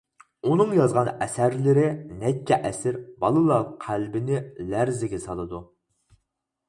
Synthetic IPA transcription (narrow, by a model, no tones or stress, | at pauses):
unɨŋjɑzʁɑnɛsæɾlɪɾɪnɛkʲʰːɛʔɛsɪɾbɑlˠɨlˠɑqʰælbɪnɪlæɾzɪɡʲɛsɑlˠɨd̪u